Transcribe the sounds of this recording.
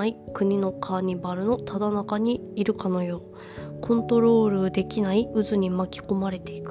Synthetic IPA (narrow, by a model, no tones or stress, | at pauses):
ikɯ̟ɲ̟ino̞kʰaːɲ̟ibaɾɯ̟no̞t̪ad̪anakaɲ̟iːɾɯ̟kano̞jo̞ː | kʰõ̞nt̪o̞ɾo̞ːɾɯ̟d̪e̞kʲinaiɯzɨɲ̟imakʲi̥ko̞maɾe̞t̪e̞ikɯ̟̥